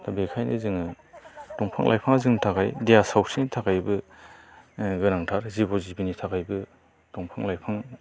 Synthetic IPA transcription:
dabekʰajnʔɯ̰zɯŋɯ | dɔŋpʰa̰ŋlʔa̰jpʰaŋzɯŋntʰakʰajdejasawsinitʰakʰajbɯ | ɡɯnaŋtʰaɾzibɔzibinitʰakajbɯ | dɔŋpʰaŋlajpʰaŋ

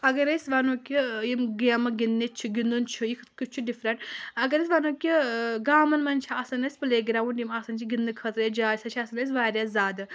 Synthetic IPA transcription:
ɐɡɐɾɐsʲʋɐnokʲijimɡiɐmɐɡinːit͡ʃʰiɡind̪unt͡ʃʰujik̪ʰkut͡ʃʰuɖifɾɐɳʈɐɡɐɾɐs̬ʲʋanokʲiɡaːmɐnmɐnt͡ʃʰiɐsɐnɐsʲpɨleːɡɾawunjimɐsɐnt͡ʃʰiɡind̪ɨkʰɐt̪ɾɨjɐd͡ʒaːsɐt͡ʃʰiɐsɨnɐs̬ʲʋaːɾʲazaːd̪ɨ

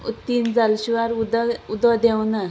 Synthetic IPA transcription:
ut̪ind͡zalɕiʋaɾd̪ud̪ɔd̪ɛwna

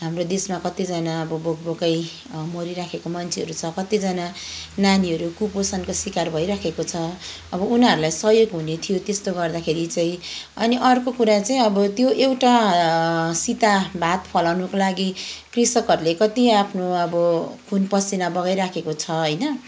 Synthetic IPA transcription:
ɦamrod̪esmakʌt̪id͡zʌnaʌbʌbokbokʌj | moɾiɾakʰekomʌnt͡sʰeɦʌɾut͡sʰʌkʌt̪id͡zʌnananiɦʌɾukuposʌnkosikarbʱʌjɾakʰekot͡sʰʌ | ʌbʌunɦʌɾulajsʌɦjoɡɦunet̪ʰijot̪est̪oɡʌrd̪akʰeɾit͡saĩʌ̰niʔʌrkokuɾat͡saĩʌbʌt̪joʔewʈa | sit̪abat̪pʰʌlawnʌkolaɡikrisʌkʌɾulekʌt̪iapʰnoʌbʌkʰunpʌsinabʌɡajɾakʰekot͡sʰʌɦʌjnʌ

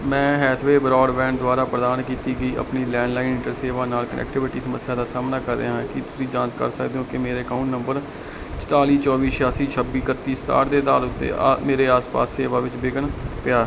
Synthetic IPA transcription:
mɛ̃ːɦɛlt̪ʰʋeːbɾɔːɖʋɛ̃ːnd̪ʊwaːɾaːpɾəd̪aːnkiːt̪iːɡəiːʔə̰pniːlɛ̃ːɳɖlaːinɪ̃ʈəɾseːʋaːnaːlkənɛ̰ːk̚ʈɪʋɪʈiːsəməsːjaːd̪aːsaːmnaːkəɾd̪ḛːɦãːkɪt̪ʊsĩːd͡ʒãːnt͡ʃkə̰ɾsə̰kd̪eːɦõːkɪmeːɾeːkaːʊɳʈnəmbəɾ | t͡ʃʈ̪aːliːt͡ʃɔːʋiːʃjaːsiːt͡ʃʰəbiːkət̪ːiːst̪a̰ːɾd̪eːd̪aːlʊt̪ːḛːmeːɾeːaːspa̰ːsːeːʋaːʋɪt͡ʃbɪɡənpɪjaː

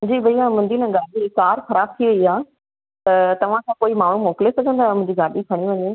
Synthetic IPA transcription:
d͡ʑiːbɐiamɐ̃nd̪iːnə̃ɡaːɗikaːɾxɐɾaːb̚t̪ʰiʋɐiaː | t̪ɐt̪ɐʋ̤ãkʰãkoːimaːɳ̤ũmoːkɪlesɐɡʱə̃nd̪aːɦmʊ̃ɦɪ̃ɲd͡ʑiɡaːɗikʰɐɽ̃iʋɐɲeː

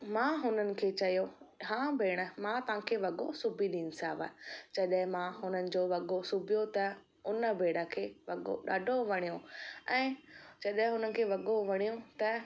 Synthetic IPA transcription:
mãːɦʊnənɪ̆kʰeːt͡ɕɐjoɦãːbʱeːɽ̃əmãt̪ɐʋ̤ãkʰeːʋɐɠosʊbʱiɗiːnɪ̆saːʋa̰d͡ʑɐɗɦɪ̃mãɦʊnənɪ̆d͡ʑoːʋɐɠosʊbʱijot̪ɐ | ʊnəbeːɽ̤əkʰeːʋɐɠo̰ɗaːɖʱoʋɐɽ̃ijõɛ̃ːd͡ʑɐɗɦɪ̃ɦʊnənɪ̆kʰeːʋɐɠoʋɐɽ̃ijõt̪ɐ

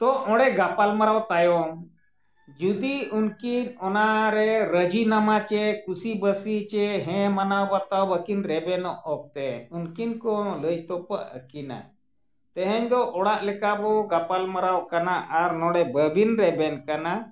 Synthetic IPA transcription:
t̪ɔɔɽɛɡapalməɾawt̪ajɔm | d͡ʒud̪iunkinɔnaɾeɾəd͡ʑinamat͡ɕekusibəsit͡ɕeɦɛ̃mənawbat̪awbəkinɾɛbɛnɔʔɔk̚t̪eunkinkɔləjt̪ɔpə̰ʔə̰kina̰ | t̪əɦɛɲd̪ɔʔɔɽaʔlɛkabɔɡapalməɾawkanaʔaɾnɔɽɛbəbinɾɛbɛnkana

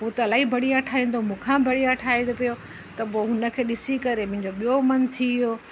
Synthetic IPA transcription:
ɦut̪ɐlaːɦibʱɐɽijaʈʰaːĩːn̆d̪omũːkʰãbʱɐɽijaʈʰaːĩd̪opijo | t̪ɐpoɦʊnə̆kʰeːɗɪsikɐɾemʊ̃ɦɪ̃ɲd͡ʑoɓijomɐnt̪ʰijoː

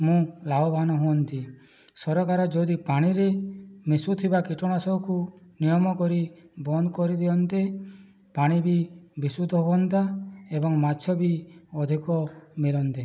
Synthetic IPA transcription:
mũlabɔbʱanɔɦuɔnt̪i | sɔɾɔkaɾɔd͡ʒɔud̪ipaɽ̃iɾemisut̪ʰibakiʈɔɽ̃asɔkunijɔmɔkɔɾibɔnd̪ɔkɔɾid̪eɔnt̪e | paɽ̃ibibisud̪ʱɔbɔnt̪aebɔŋmat͡ʃʰjɔbiɔd̪ʱikɔmilɔnt̪e

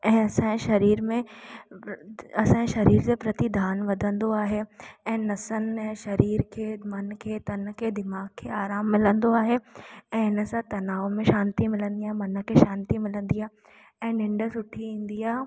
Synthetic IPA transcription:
ɛ̃ːɐsãʃɐɾiːɾmẽ | ɐsãːʃɐɾiːɾd͡ʑeːpɾɐt̪id̪ʱaːnʋɐd̪ʱə̃nd̪oaːɦeɛ̃ːnɐsənɛ̃ːʃɐɾiːɾkʰemɐnkʰet̪ɐnkʰed̪ɪmaːɡ̚kʰeaːɾaːmːɪlə̃nd̪oaːɦeɛ̃ːɪnə̆sãt̪ɐnaːomẽʃaːnt̪imɪlə̃nd̪ijãːɦmɐnə̆kʰeʃãːnt̪imɪlə̃nd̪ija | ɛ̃ːnɪ̃ɳɖəsʊʈʰiĩːn̆d̪ijaːɦ

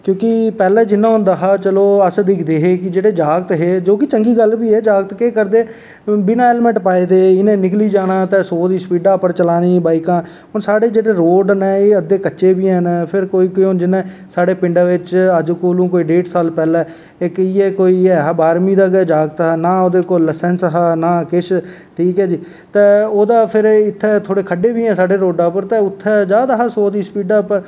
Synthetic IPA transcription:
kjõːkɪpɛːlɛːd͡ʒɪnːãːɦʊ̃nd̪aːɦaːt͡ʃəloːəsd̪ɪkʰd̪eːɦeːkɪd͡ʒeːɽeːd͡ʒaːɡt̪ɦeːd͡ʒoːkɪt͡ʃəŋɡiːɡəlbiːɛːd͡ʒaːɡət̪keːkəɾd̪eː | biːnaːeːlmɛ̃ɳʈpaːeːd̪eːɪnẽːnɪkliːd͡ʒaːnãːt̪ɛ̃ːsoːd̪iːsəpiːɖaːpəɾt͡ʃəlaːniːbaːɪkãː | ɦʊnsaːɽeːd͡ʒeːɽeːɾoːɖnɛːeːəd̪eːkətːʃeːbiːɦənpʰɪɾkoːiːkiːʊnd͡ʒɪnːẽːsaːɽeːpɪ̃ɳɖaːʋɪt͡ʃəd͡ʒkoːlũːkoːiːɖeːʈsaːlpɛːlɛː | ɪkiːɛːkoːiːɛːɦabaːɾmiːd̪aːked͡ʒaːɡ̚t̪ːɦaːnaːoːd̪eːkoːlːəsɛːnsɦaːnaːkɪʃ | ʈʰiːkɦɛːd͡ʒiː | t̪ɛːoːd̪aːpʰɪɾɪt̪ʰːɛːt̪ʰoːɽeːkʰəɖeːbiːɛ̃ːsaːɖeːɾoːɖaːpəɾt̪ɛ̃ːʊt̪ʰːɛːd͡ʒaːd̪aɦaːsoːd̪iːsə̥piːɖaːpəɾ

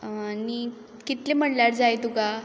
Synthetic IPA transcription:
ni | kit̪lem̤əɳljaɾd͡zajt̪uka

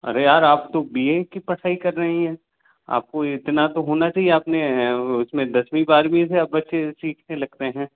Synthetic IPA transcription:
ɐ̰ɾejaːɾaːpt̪obiekipɐɽ̤ʰaːikɐɾːɐɦiɦɛ̃ː | a̰ːp̚koɪt̪nat̪oɦoːnat͡ʃaːɦieaːpneʊsmẽd̪ɐswĩbaːɾbʱiɛseaːp̚bɐtːʃesiːkʰnelɐɡ̚t̪eɦɛ̃ː

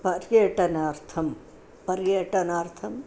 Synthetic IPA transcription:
pɐɾjɐʈɐnɐɾt̪ʰɐm | pɐɾjɐʈɐnɐɾt̪ʰɐm

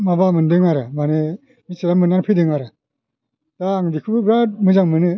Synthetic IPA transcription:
mabamɯndɯŋaɾɯmane | misɯɾamɯnːanpʰɯdɯŋaɾɯ | d̥aːŋbikʰɯbɯbɾamɯzaŋmɯnɯ

